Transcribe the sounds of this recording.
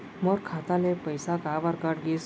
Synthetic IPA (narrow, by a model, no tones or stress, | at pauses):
mɔɾkʰat̪alẽpəjsakaʋaɾkaʈɡes